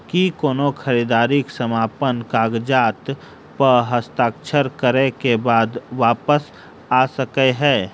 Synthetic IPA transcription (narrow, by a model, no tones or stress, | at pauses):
kikoːnokʰəɾiːd̪aːɾɪksəmaːpənkaːɡd͡ʒaːt̪ | pəɾɦəst̪aːkʃəɾkəɾekebaːd̪ʋaːpəs | aːsəkeɦɛː